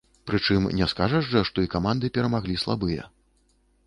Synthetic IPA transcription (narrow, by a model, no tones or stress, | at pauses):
pɾɨt͡ʂɨmnʲɛskaʐɐʐʐɐʂt̪ɔikamand̪ɨpʲɛɾɐmaɣlʲislˠa̰bɨjɐ̰